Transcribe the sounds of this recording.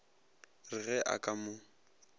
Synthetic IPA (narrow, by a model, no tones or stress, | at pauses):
rɪɣɛʔa̰kʼamʊ